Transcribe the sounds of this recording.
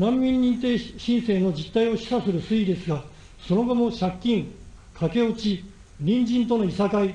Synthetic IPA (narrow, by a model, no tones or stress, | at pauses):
nãmːʲĩɲːĩnt̪̬e̞ːɕĩɰ̃se̞ːno̞d͡ʑit̪ːaio̞ɕi̥sasɨɾɯ̟sɨid̪e̞sɨɡa | so̞no̞ɡo̞mo̞ɕakʲːĩŋkʰake̞ot͡ɕi | ɾʲĩɲd͡ʑĩnt̪o̞no̞isakai